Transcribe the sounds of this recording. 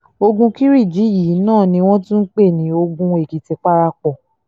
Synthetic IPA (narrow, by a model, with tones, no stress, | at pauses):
o˧ɡũ˧ki˦ɾi˦˨d͡ʒi˨˦ji˨˦nãː˦˨nĩ˧w̃ɔ̃˦tũ˦n̩˦k͡pe˦˨nĩ˨˦o˧ɡũ˧e˨ki˨ti˧k͡pa˦ɾa˧k͡pɔ˨